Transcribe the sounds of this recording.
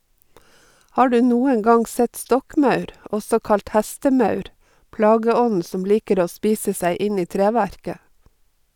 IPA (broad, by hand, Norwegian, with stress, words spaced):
ˈhɑː ˈɖʉː ˈnuːəŋ ˈɡɑŋ ˈsɛt ˈstɔkˌmɑʉɾ ˈʔɔsɔ ˈkɑlt ˈhæstəˌmɑʉɾ ˈplɑːɡəˌɔnn̩ ˈsɔm ˈliːkəɾ ˈoː ˈspiːsə ˈsæɪ ˈɪn ˈiː ˈtɾeːʋæɾkə